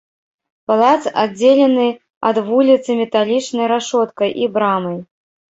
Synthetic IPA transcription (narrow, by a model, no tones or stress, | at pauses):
palˠat̪sad͡zʲelʲɛnɨ | ɐ̰d̪vulʲit̪sɨmʲɛt̪alʲit͡ʂnɐjɾaʂɔt̪kɐjʔibɾamɐj